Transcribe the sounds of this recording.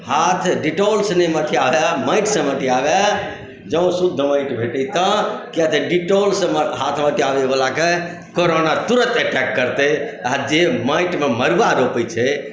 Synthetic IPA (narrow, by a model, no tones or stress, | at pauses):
hat̪ʰɖiʈolsnemət̪ʰiabeməɪʈsə̃mət̪ʰiaba | d͡ʒəũsud̪ʱːəməɪʈbʱeʈɛt̪ə̃kjat̪eɖiʈolsə̃mɦat̪ʰməʈ̪ʰiabebəlake | koɾonat̪uɾət̪əʈɛkːəɾt̪ead͡ʒeməɪʈmeməɾʋaɾopət͡ʃʰɛ